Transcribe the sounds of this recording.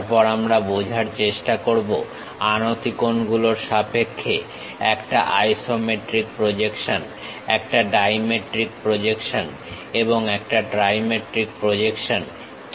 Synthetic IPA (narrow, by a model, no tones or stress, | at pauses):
ɾpɔɾamɾabod͡ʑʱaɾt͡ɕeʃʈakoɾbo | anot̪ikonɡuloɾʃapekʰːe | ɛkʈa̰ʔajsomeʈɾik̚pɾod͡ʑekʃon | ɛk̚ʈaɖajmeʈɾik̚pɾod͡ʑekʃon | eboŋɛk̚ʈaɖɾajmeʈɾik̚pɾod͡ʑekʃon | k